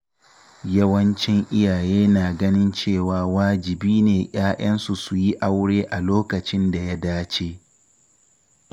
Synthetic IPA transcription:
jɐ˦wɐ˦nt͡ʃɪ˦ŋʔɪ˦jaː˨jeː˦naː˨ɡɐ˦nɪ˦nt͡ʃeː˦˨waː˨waː˦d͡ʒɪ˨biː˦neː˨ʔj̰aː˦ʔɐ˦nsu˨su˨ji˦ʔa˦wɽeː˦ʔa˨loː˦kɐ˨t͡ʃɪ˦nda˨ja˦daː˦t͡ʃeː˦

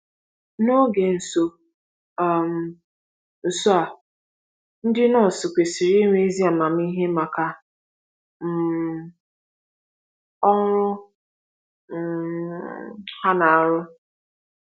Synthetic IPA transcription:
no˦ɡe˨n̩˨so˨ | m̩˨ | n̩˨so˦a˨ | n̩˦dɪ˦nɔ˦˨sʊ˨kʷe˨si˨ɾi˦ŋʷe˦e˦zi˦a˨ma˨m̩˦i˦ɦe˦ma˨ka˨ | m̩˨ | ɔ˦ŋ˦ɾʊ˦ | m̩˨ | ha˦na˨a˨ɾʊ˦

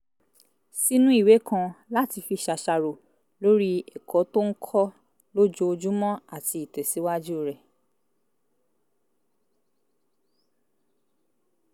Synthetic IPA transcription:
si˦nũ˦i˦˨we˨˦kʰã˧la˦ti˧fi˧ʃa˧ʃa˧ɾo˨ | lo˦ɾi˦ɛ˨kʰɔ˨˦to˦ŋ̩˦kʰɔ˦ | lo˦d͡ʒo˧o˧d͡ʒu˦mɔ̃˦a˦˨ti˧i˨tɛ˨si˨˦wa˦d͡ʒu˦˨ɾɛ˨

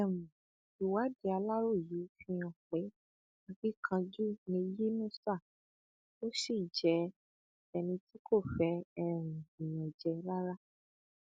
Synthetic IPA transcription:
ɛ˨mũ˨ | i˨wa˨˦di˧˦a˧la˦ɾo˦˨ji˨˦fĩ˧ɔ̃˨k͡pe˨˦ | a˧ɡ͡bi˦kʰã˧d͡ʒu˦nĩ˧je˦nũ˦sa˦˨ | o˦ʃi˦˨d͡ʒɛ˨˧ | ɛ˧nĩ˧ti˦kʰo˦˨fɛ˧ɛ˧ɾ̃ũ˨ĩ˨j̃ɔ̃˨d͡ʒɛ˧la˦ɾa˦

